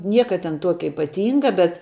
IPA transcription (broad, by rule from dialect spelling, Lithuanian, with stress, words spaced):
ˈnʲiɛkɐ tʲɛn ˈtuɔkʲɛ ɪpɐˈtʲiːŋɡɐ bʲɛt